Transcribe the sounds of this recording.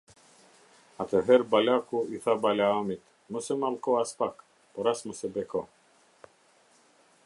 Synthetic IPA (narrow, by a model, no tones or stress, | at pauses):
at̪ʰəɦɛɾbalʲakuiθabalʲaamit̪ | mɔsɛmalkɔaspak | pɔɾasmusɛbɛkɔ